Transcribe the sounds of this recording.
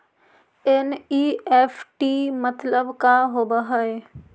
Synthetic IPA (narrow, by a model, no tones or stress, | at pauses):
ɛniːɛːfʰʈimət̪ləbkaɦoːbəɦəe